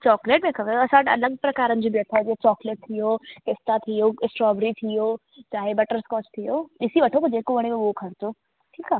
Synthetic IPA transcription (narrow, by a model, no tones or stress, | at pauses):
t͡ʃɔːkleːʈmẽkʰɐʋeɐsãʈɐ̰ləɡ̚pɾɐkaːɾə̃nd͡ʒoːbiɐt̪ʰad͡ʒet͡ʃɔːkleːʈ̚t̪ʰijoːkɪst̪at̪ʰijoːɪsʈɾɔːbɾit̪ʰijoː | t͡ʃaːɦebɐʈəɾskɔːt͡ʃt̪ʰijoːɪsiʋɐʈʰokod͡ʒeːkoʋɐɽ̃emeɡokʰɐɾt̪oː | ʈʰiːkaː